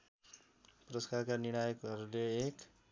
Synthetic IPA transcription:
prʌskarkaniɽ̃ajekɦʌɾuleːk

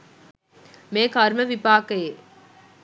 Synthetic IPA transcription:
mẽːkaːɾməʋipaːkɐeː

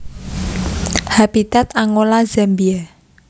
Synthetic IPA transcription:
habit̪at̪aŋolazɛmbia

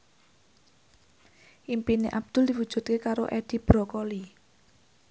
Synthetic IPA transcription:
ʔimpineʔab̚d̪̥ʊ̤ld̪i̤wud̥ʒ̥ṳt̪̚kekaɾoʔɛd̪̥i̤b̥ɾɔkɔli

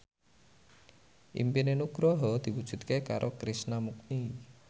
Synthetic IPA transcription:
ʔḭmpinenuɡ̥ɾɔɦɔd̪̥i̤wu̥d͡ʒ̥ṳt̪̚keka̰ɾʔokɾisnamuk̚ni

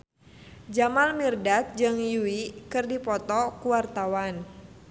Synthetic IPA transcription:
d͡ʒamalmirdat̪̚d͡ʒɨŋjuikɨrdipɔt̪ɔkuwart̪awan

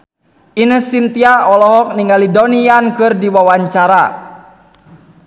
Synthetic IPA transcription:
inəsint̪iaɔlɔɦɔk̚niŋɡalidɔniankɨrdiwawaɲt͡ʃaɾa

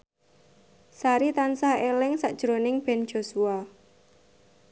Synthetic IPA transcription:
saɾit̪ansahelɪŋsaʔd̥ʒ̥ɾonɪŋb̥ɛn̥ʒ̥o̤sua

